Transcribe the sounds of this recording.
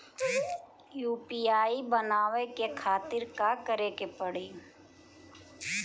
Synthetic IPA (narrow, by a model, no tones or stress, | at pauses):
juːpiaːibənaːʋekekʰaːt̪ɪɾkakəɾeːkepəɽiː